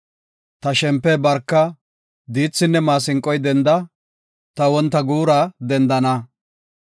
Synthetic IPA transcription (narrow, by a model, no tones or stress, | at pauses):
t̪ɐʃɛmpːɛbɐɾkːɐ | d̪iːt͡sːɪnːɛmaːsɪŋkʼːɔjd̪ɛnd̪ɐ | t̪ɐwɔnt̪ːɐɡuːɾɐd̪ɛnd̪ɐnɐ